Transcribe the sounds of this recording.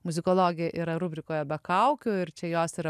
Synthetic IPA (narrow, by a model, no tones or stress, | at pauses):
mʊzʲɪkoːlˠoːɡʲɪjɛʔiːɾɐɾuːbʲɾʲɪkoːjɛbʲɐkɐʊkʲoːɪɾt͡ʃʲɛjoːsiɾɐ